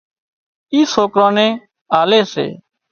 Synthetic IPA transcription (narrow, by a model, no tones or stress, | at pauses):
iːsoːkɾãːnẽː | aːleːsḛː